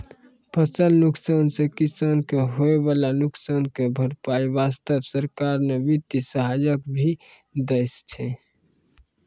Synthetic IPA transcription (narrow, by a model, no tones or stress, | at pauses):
pʰəsəlnuksansekisənkeɦoebalanuksankebʱəɽpaibast̪əbsəɾkaɾnebit̪isəɦajəkbʱi | d̪est͡ʃʰɛ